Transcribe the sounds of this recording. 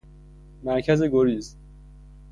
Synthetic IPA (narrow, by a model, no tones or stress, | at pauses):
mæɾcʰæzeɡoɾis